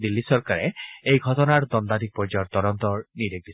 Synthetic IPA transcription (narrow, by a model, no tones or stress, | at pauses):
d̪ilːisɔɹkaɹɛejɡʱɔtɔnaɹd̪ɔndadik̚pɔɹd͡ʒɔjɔt̪ɔɾɔntɔɹniɾeɡ̚bi